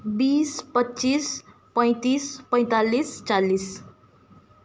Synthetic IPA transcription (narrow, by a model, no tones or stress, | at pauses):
biːspʌtːt͡ʃis | pʌ̃j̃t̪ispʌ̃j̃t̪alist͡salːis